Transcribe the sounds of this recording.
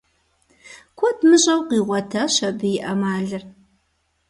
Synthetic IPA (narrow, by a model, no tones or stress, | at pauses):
kʷʰɔtʰmɨʑʼɐwqiːʁʷɔtʰɐɕɐbɨjɪʔɐmaːɮɨr